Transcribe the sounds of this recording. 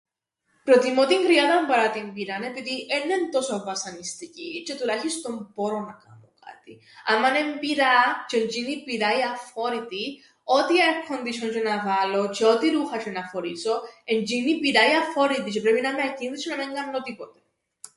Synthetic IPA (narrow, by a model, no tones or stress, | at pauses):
pɾot̪imot̪iŋɡɾiaðɐmbɐɾat̪imbiɾanepiðiʔenːent̪osovɐsɐnist̪icit͡ʃet̪ulaçist̪ompoɾonɐka̰moka̰t̪i | ɐ̰mːanembiɾat͡ʃend͡ʒinipiɾaiɐfoɾit̪i | ot̪iaekʰːond̪it͡ʃʰont͡ʃenavalot͡ʃeot̪iɾuxɐt͡ʃenɐfoɾisoend͡ʒinipiɾajɐfoɾit̪it͡ʃepɾepinameacinðit͡ʃinoneŋɡɐɾnot̪ipot̪e̥